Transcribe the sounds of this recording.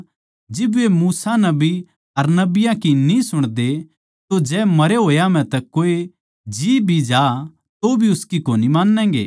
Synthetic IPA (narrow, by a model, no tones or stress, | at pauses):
d͡ʒɪbemuːsanɐbi | ɐɾnɐbɪjãkinĩsʊɽ̃d̪e | t̪od͡ʒɛːmɐɾeɦoːjam̤ɛ̃t̪ɛkːoːe | d͡ʒiːbʱid͡ʒaː | t̪obʱiʊskikoːnimãːnːɛ̃ːɡḛː